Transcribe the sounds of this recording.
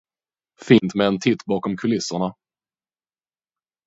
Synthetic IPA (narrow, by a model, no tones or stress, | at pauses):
fiːnt̪mɛɛnt̪ʰɪt̪ːbɑːkɔmkʰɵlɪsʊɳa